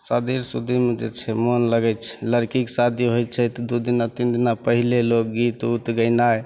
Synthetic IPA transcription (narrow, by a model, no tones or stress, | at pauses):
sad̪iɾsud̪ʱimed͡ʒḛt͡ʃʰɛmonləɡɛt͡ʃʰɛ̥ləɾkiksad̪iɦojt͡ʃʰɛt̪d̪ud̪inat̪ind̪inapəɦilelok̚ɡit̪ut̪ɡəɪnae